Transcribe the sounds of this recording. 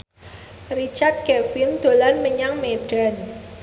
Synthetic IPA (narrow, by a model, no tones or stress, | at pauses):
rit͡ʃart̪̚kɛfɪnd̪̥o̤lanməɲaŋmeɖ̥an